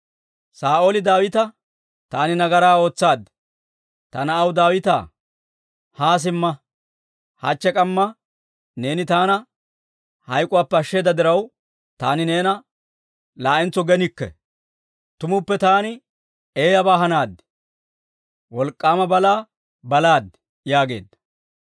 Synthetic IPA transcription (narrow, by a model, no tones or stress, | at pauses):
saːʔoːlɪd̪aːwɪt̪ɐ | t̪aːnɪnɐɡɐɾaːo̞ːt͡sːaːd̪ːɛ̥ | t̪ɐnɐːwd̪aːwɪt̪a̰ː | haːs̬ɪmːɐ | hɐ̰t͡ʃːɛkʼɐmːɐ | ne̞ːnɪt̪aːnɐ | hɐjkʼʊwaːpːɛɐʃːe̞ːd̪ɐd̪ɪɾɐw | t̪aːnɪne̞ːnɐ | laːʔɪnt͡sːɔɡɛnɪkːɛ̰ | t̪ʊmʊpːɛt̪aːnɪ | eːjɐbaːɦɐnaːd̪ɪ̥ | wɔlkʼːaːmɐbɐlaː | bɐlaːd̪ | jaːɡe̞̰ːd̪ːɐ̥